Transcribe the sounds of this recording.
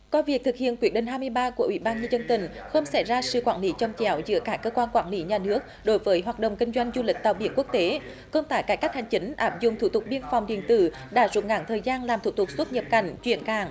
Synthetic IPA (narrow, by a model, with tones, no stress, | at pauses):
kɔ˧vi˨˩ək̚t̪ʰɨ˨˩k̚hḭ˧˨ənki˨˦˥əɗï˧˨˩ŋ̟ɦaː˧jmɨ˧əjɓaː˧ku˧˩əʔwḭ˧˦ɓaː˧nɲə˧nzə˧nt̪ï˨˩ŋ̟xə˧wŋ͡msa˧˩jzaː˧sɨ̰˧˨kwaː˧˩nli˨˦t͡ɕɔ˧wŋ͡mt͡ɕɛ˨˦wzɨ̰˧˥əkaː˦˥kəː˧kwaː˧nkwaː˧˩nli˨˦ɲaː˨˩nɨ˦˥ək̚ɗo˨˦jvəː˨˦jɦwaː˨˩t̚ɗə̰˧˨wŋ͡mkï˧ŋ̟zwa˧jŋ̟zu˧lï˨˩k̚t̪a̰ː˧˨ɓi˧˩ənku˦˥ək̚t̪e˨˦ | kə˧wŋ͡mt̪aː˧˩jkaː˧˩jka˦˥k̚ha˨˩ŋ̟t͡ɕï˨˦ŋ̟ʔaː˦˥p̚zʊ̰˧˨ŋ͡mt̪ʰu˧˩t̪ʊ˨˩k̚ɓi˧ənfwŋ͡mɗḭ˧˨ənt̪ɨ̰˧˩ | ɗa̰ː˧˥zʊ̰˨˥ŋ͡m̚ŋa̰˧˩ŋt̪ʰəː˨˩jzaː˧nlaː˨˩mt̪ʰu˧˩t̪ʊ˨˩k̚su˦˥t̚ɲə˨˩p̚ka˧˩jŋ̟t͡ɕwḭ˧˨ənka̰ː˧˩ŋ